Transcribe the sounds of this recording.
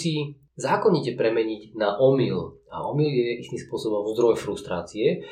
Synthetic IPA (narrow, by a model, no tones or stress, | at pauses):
si | zaːkɔɲicɛpɾɛmɛɲiɟnaʔɔmila̰ɔmiljɛist̪imspʊɔsɔbɔmzd̪ɾɔjfɾust̪ɾaːt͡siɛ